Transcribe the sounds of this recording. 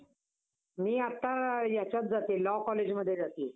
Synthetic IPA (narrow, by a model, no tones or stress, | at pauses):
miːat̪ːajat͡ɕjat̪̚d͡zat̪elɔkɔled͡ʑməd̪ʱːjed͡zat̪iː